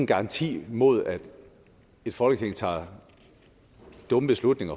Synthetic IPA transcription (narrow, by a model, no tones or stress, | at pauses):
n̩ɡ̥ɑ̈ɑ̈nt͡sʰḭːmo̝ð̞̰ˠæd̥ | e̝d̥fɒ̽lɡ̥ət͡sʰe̝ŋ̰t͡sʰɑ̰̈ː | d̥ɔ̽məb̥e̝slud̥ne̝ŋɐ